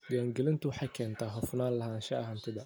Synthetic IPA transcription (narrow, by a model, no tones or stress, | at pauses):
djaːŋɡɛlɪnt̪ʰʊwɑħɑjkʰɛːnt̪ʰaːɦɔfnaːnlɐɦaːnʃɐ̰ɐɦaːnt̪ʰɪðɐ